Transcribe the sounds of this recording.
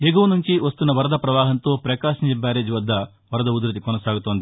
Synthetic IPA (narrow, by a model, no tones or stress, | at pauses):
jeɡoːʋɐnuɲt͡ʃiʋɐst̪unːɐʋɐɾɐd̪ʱɐpɾɐʋaːɦɐnt̪o̞ːpɾɐkaːʃɐɲt͡ʃebːaːɾeːd͡ʒuʋɐd̪ʱːɐ | ʋɐɾɐd̪ɐud̪ɾɐt̪ikɔnɐsaːɡut̪oːnd̪i